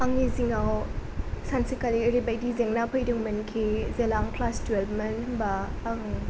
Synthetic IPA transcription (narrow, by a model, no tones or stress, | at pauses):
aŋniziŋaw | sansikaliɾibajdizeŋnapʰɯjdɯŋmɐnkʰizelaŋpʰlasdwelbmɐnbaːŋ